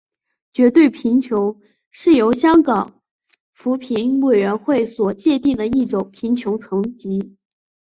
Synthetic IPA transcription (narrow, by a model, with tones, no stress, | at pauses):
t͡ɕɥɛ˧˥t̪we˥˩ɪpʰi˧˥nt͡ɕʰjo˧˥ʊ | ʂɻ̩˥˩jo˧˥ʊɕjɑ˥ŋkɑ˨˩˦ŋ | fu˧˥pʰi˧˥nwe˨˩ɪɥɛ˧˥nxwe˥˩ɪswɔ˨˩t͡ɕjɛ˥˧t̪i˥˩ŋd̪ə˩i˥˩ʈ͡ʂʊ˨˩ŋpʰi˧˥nt͡ɕʰjʊ˧˥ʊt͡sʰɤ˧˥ŋt͡ɕi˧˥